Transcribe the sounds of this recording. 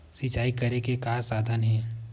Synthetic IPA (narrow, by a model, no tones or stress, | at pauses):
sit͡ʃaːikɐɾekekaːsaːd̪ʱənɦɛ̃ː